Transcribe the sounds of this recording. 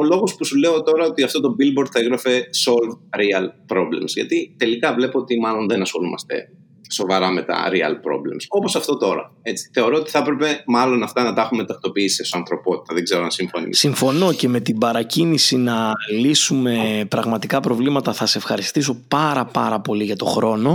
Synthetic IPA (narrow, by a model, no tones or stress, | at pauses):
olo̞ɣo̞spusule̞o̞t̪o̞ɾɐo̞t̪iɐft̪o̞t̪o̞bilboɾd̪θɐeɣɾɐfe̞so̞lvɾiɐlpɾo̞ble̞̰msʝɐ̰t̪it̪e̞likɐvle̞poot̪imɐlo̞nðenɐsxo̞lumɐ̰st̪e̞̰ | so̞vɐɾɐme̞t̪ɐ̰ɾiɐ̰lpɾo̞̰ble̞̰mso̞po̞sɐft̪o̞t̪o̞ɾɐ̰e̞t͡si̥θe̞o̞ɾo̞ot̪i̥θɐpɾe̞pe̞mɐlo̞nɐft̪ɐnɐt̪ɐxume̞t̪ɐkt̪o̞piisisesoɐnθɾo̞po̞t̪i̥t̪ɐðeɡze̞ɾoɐ̰nsiɱfonḭsiɱfo̞no̞ce̞me̞t̪ibɐɾɐcinisinɐlisume̞pɾɐɣmɐt̪ikɐpɾo̞vlimɐt̪ɐθɐseefxɐɾist̪iso̞pɐɾɐpɐɾɐpo̞liʝɐt̪o̞xɾo̞no̞